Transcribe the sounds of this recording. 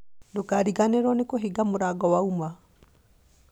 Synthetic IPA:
dokaɾiɣaneɾwɔnekoɦiɡamoɾaɡɔwauma

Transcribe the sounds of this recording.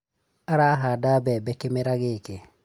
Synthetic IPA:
aɾaɦaːdaːbɛbɛkemeɾaɡeke

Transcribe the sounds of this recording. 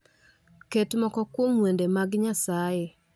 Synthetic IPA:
ketemɔkɔkwomwɛndɛmaɡɪɲasae

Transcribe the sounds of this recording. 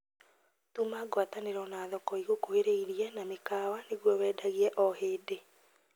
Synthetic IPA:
tumaɡwataneɾɔnaːðɔkɔiɣokoheɾeiɾiɛnamekaːwaneɣwɔwɛːdaɣiɛʔɔheːde

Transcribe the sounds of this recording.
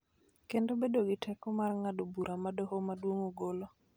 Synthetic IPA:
kendobedoɡɪtʰɛkɔmarŋadobuɾamadoɦomadwoŋoɡolo

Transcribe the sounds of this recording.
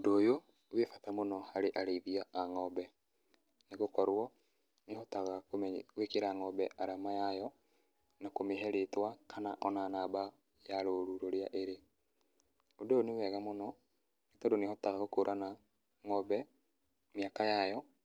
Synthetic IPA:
odoːjo | wefatamonɔhaɾeʔaɾeiðiaːŋɔbɛ | neɣokɔɾwɔ | nehɔtaɣakomwekeɾaːŋɔbɛʔaɾamajajɔ | nakomeɦɛɾetwakʰanaʔɔnanaːba | jaɾoɾuɾoɾeaʔeɾe | odonewɛɣamonɔ | netɔdonehɔtaɣaɣokoɾʔana | ŋɔbɛ | miakajajɔ

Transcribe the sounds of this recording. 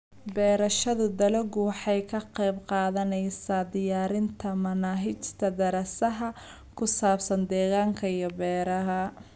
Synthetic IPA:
bɛːɾɐʃɐðʊd̪ɐlɛɡʊwɑħɑjkʰɐqɛjbqɑːðɐnɛjsaːd̪ɪjaːɾɪnt̪ʰɐmɐnaːɦɪt͡ʃt̪ʰɐd̪ɐɾɐsɐɦɐ | kʰʊsaːbsɐnd̪ɛːɣaːŋkʰɐijɔbɛːɾɐɦɐ

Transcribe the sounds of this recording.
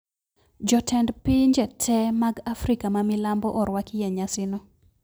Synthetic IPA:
d͡ʒɔtʰɛndpiɲd͡ʒɛtʰɛmaɡafɾikamamɪlambɔʔɔɾwakɪjɛɲasɪnɔ

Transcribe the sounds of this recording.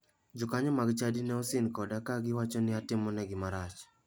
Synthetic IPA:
d͡ʒʊkaɲɔmaɡt͡ʃadinɛɔsɪnkɔdakaɡɪwat͡ʃɔnɪatɪmɔnɛɡɪmaɾat͡ʃ

